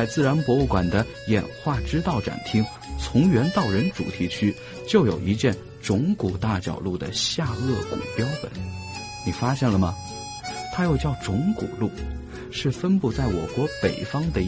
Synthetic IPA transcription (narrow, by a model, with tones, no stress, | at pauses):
ɪt͡sɹ̩˥˩ɻa˧˥npwɔ˧˥u˥˩kwa˨˩nd̪ə˦ | jɛ̰˨˩nxwa˥˩ʈ͡ʂɻ̩˥t̪ɑ˥˩ʊʈ͡ʂa̰˨˩nt̪ʰi˥ŋ | t͡sʰʊ˧˥ŋɥɛ˧˥nt̪ɑ˥˩ʊɻə˧˥nʈ͡ʂṵ˨˩t̪ʰi˧˥t͡ɕʰy˥ | t͡ɕjo˥˩ʊjo˨˩ʊi˧˥t͡ɕjɛ˥˩n | ʈ͡ʂʊ˧˥ŋku˨˩t̪a˥˩t͡ɕjɑ̰˨˩ʊlu˥˩d̪ə̰˩ɕja˥˧ɤ˥˩kṵ˨˩pjɑ˥ʊpə̰˨˩˦n | ni˨˩fa˥ɕjɛ˥˩nlə˩mɐ˩ | t̪ʰa˥jo˥˧ʊt͡ɕjɑ˥˩ʊʈ͡ʂʊ˧˥ŋkṵ˨˩lu˥˩ | ʂɻ̩˥˩fə˥npu˥˧t͡sa˥˩ɪwɔ˨˩kwɔ˧˥pe˨˩ɪfɑ˥ŋd̪ə˨